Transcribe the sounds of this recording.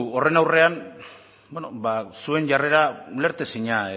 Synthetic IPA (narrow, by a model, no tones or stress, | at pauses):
o̞re̞nawre̞an | benobasue̞nʝare̞ɾale̞ɾt̪e̞siɲa